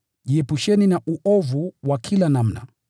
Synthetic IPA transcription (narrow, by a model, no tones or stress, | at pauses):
ʄiɛpuʃɛninaʔuʔɔvuwakʰilanam̩na̰